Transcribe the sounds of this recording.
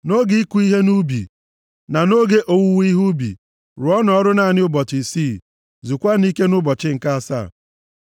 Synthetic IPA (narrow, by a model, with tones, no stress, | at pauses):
no˦ɡi˦i˦ku˦i˦ɦe˦nu˦bḭ˨ | na˨no˦ɡe˦ʔo˨wu˦wi˦ɦu˦bḭ˨ | ɾʊ˨ɔ˦nɔ˨ɔ˦ɾʊ˦na˨nɪ˦ʊ˦bɔ˨t͡ʃɪ˨si˦˨ | zu˨kʷa˦ni˦ke˦nʊ˦bɔ˨t͡ʃɪ˦ŋ̩˨ka˦a˨sa̰˦˨